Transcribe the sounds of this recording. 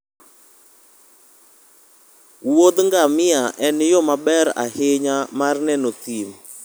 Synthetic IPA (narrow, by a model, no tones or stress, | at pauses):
wod̪ŋɡamɪaʔɛnjɔmabɛɾa̰hɪɲamarnɛnɔt̪im